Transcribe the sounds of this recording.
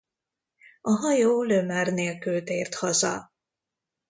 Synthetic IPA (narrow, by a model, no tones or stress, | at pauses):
ɒɦɒjoːlømaːrneːlkylt̪eːrt̪hɒzɒ̰